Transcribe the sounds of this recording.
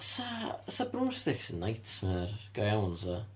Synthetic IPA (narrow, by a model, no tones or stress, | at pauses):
sasabruːnsðɪksɪnajtmərɡ̥ajawnsa